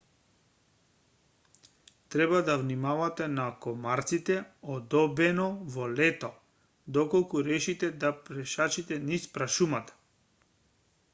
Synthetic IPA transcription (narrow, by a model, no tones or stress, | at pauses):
t̪ɾɛbad̪avnimavat̪ɛnakɔmaɾt̪sit̪ɛɔd̪ɔbɛnɔvɔlɛt̪ɔ | d̪ɔkɔlˠkuɾɛʃit̪ɛd̪apɾɛʃat͡ʃit̪ɛnispɾaʃumat̪ḁ